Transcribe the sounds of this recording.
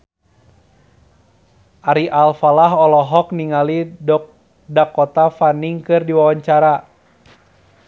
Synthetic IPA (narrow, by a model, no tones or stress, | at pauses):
ʔaɾiʔalfalaɦɔlɔɦɔk̚niŋalidɔk̚ | dakɔt̪afaniŋkɨrdiwawaɲt͡ʃaɾa